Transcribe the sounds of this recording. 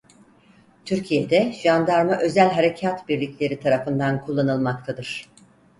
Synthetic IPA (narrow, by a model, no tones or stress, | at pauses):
t̪ʰyɾcʰijed̪ɛʒ̥and̪aɾmaʔø̞zælʲɦaɾe̞cʰat̪biɾlʲicʲlʲe̞ɾit̪ʰaɾafɯnd̪ankʰulˠːanɯlˠmak̚t̪ʰad̪ɯɾ̝̥